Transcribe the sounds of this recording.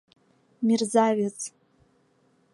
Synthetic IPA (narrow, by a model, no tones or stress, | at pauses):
mirzavet͡sʰʼ